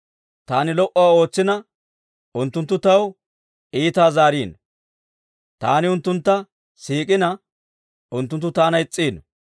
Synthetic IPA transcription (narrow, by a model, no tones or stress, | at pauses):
t̪aːnɪlɔʔɔaːo̞ːt͡sːɪnɐ | ʊnt̪ːʊnt̪ːʊt̪ɐw | ʔiːt̪aːzaːɾiːn | t̪aːnɪʊnt̪ːʊnt̪ːɐ | siːkʼɪnɐ | ʊnt̪ːʊnt̪ːʊt̪aːnɐɪt͡sʼːiːn